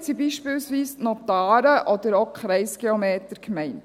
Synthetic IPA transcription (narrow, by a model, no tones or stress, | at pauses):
sibiːʃpɪːlsʋiːstnɔt̪ɑːɾəʔɔd̪əɾɔkχɾɛɪsɡ̥eɔmeːt̪əɾkmɛɪnt